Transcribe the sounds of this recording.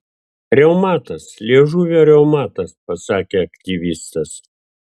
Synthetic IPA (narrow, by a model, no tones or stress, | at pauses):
ɾʲɛʊmɑːt̪ɐslʲiɛʒuːʋʲoːɾʲɛʊmɑːt̪ɐspɐsɑːkʲeːɐkt̪ʲiʋʲist̪ɐs